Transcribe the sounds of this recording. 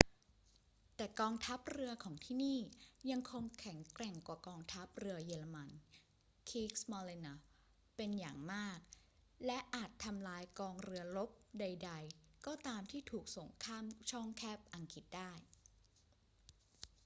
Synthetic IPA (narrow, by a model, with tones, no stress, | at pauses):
t̪ɛː˨˩kɔː˧ŋt̪ʰa˦˥p̚ɾɯ˧ɐkʰɔː˩˦ŋt̪ʰiː˥˩niː˥˩ja˧ŋkʰo˧ŋkʰɛ˩˦ŋkɾɛ˨˩ŋkwaː˨˩kɔː˧ŋt̪ʰa˦˥p̚ɾɯ˧ɐjeː˧la˧ma˧n | kʰiː˦˥k̚smɔː˧li˧na˧˩ | pe˧njaː˨˩ŋmaː˥˩k̚ | lɛ˦˥ʔaː˨˩t̪ʰːa˧mlaː˧jkɔː˧ŋɾɯ˧ɐlo˦˥p̚da˧jda˧jkɔː˥˩t̪aː˧mt̪ʰiː˥˩t̪ʰuː˨˩k̚so˨˩˦ŋkʰaː˥˩mt͡ɕʰɔ˥˩ŋkʰɛː˥˩p̚ʔa˧ŋki˨˩t̪̚daː˥˩j